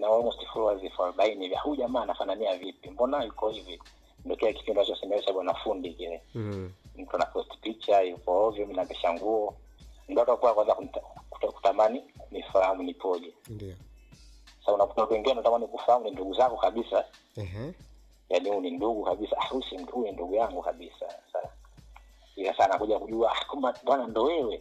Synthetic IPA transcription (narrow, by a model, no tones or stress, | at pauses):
nawalmɔsti̥fulwazifalɓainiva̰huʄamaːnafananiavipimbɔnajukɔivi | ndɔkɛaki̥pindiɔat͡ʃɔasɛmɛaɛt͡ʃaɓwanafundikilɛ | m̩tuanapɔsti̥pit͡ʃajukɔɔvim̩navɛʃaŋɡuɔ | n̩duatakuakwaɛnzaku̥tku̥tamaninifahamunipɔʄɛ | saaunaku̥tawatuwɛŋɡiɛndaɔtamanikufahamuninduɡuzakɡukaɓisa | janihuninduɡukaɓisaaɾusihuninduɡujaŋɡukaɓisa̰saa | ilasaːnakuʄakuʄuaakamaɓwanandɔwɛwɛ